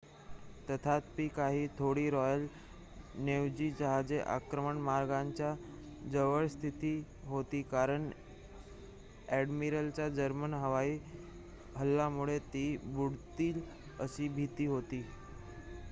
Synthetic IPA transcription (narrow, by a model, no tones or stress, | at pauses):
t̪ət̪ʰat̪̚piːkaɦiːt̪ʰoɽiːɾɔjəl | neʋd͡ʑiːd͡ʑəɦad͡zeʔa̰kɾəməɳmaɾɡaɲt͡ɕja | d͡zəʋəɭst̪ʰit̪iː | ɦot̪iːkaɾəɳ | ɛɖmiɾəlt͡ɕad͡zəɾmənɦəʋaiː | ɦəlːamuɭet̪iːbuɽt̪iːl | ə̰ɕiːbʱit̪iːɦot̪iː